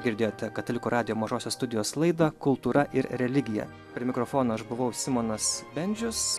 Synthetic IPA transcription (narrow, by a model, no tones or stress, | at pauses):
ɡʲɪɾʲd̪ʲeːjoːt̪ʲɛkɐt̪ɐlʲɪkuːɾɑːd̪ʲɪjoːmɐʒoːsʲoːsst̪ʊd̪ʲɪjoːslˠɐɪd̪ɐkʊlˠt̪uːɾɐʔɪɾɾʲɛlʲɪɡʲɪjɛ̰ | pʲɾʲɪmʲɪkɾoːfoːnoːɐʃbʊʋɐʊsʲɪmoːnɐsbʲɛnʲd͡ʒʲʊs